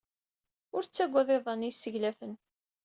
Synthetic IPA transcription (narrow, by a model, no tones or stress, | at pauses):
ʊɾt͡sːæɡʷːɑðˤeðˤənisːəʝlæfən